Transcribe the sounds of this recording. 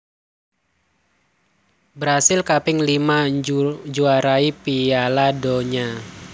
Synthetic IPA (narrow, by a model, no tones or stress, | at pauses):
bəɾasɪlkapɪŋlimaɲd͡ʒuaɾaipialadɔɲa